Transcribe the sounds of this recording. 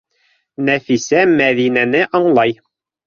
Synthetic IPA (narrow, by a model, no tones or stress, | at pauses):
næfisæmæðinænɘʔɒɴlˠɑj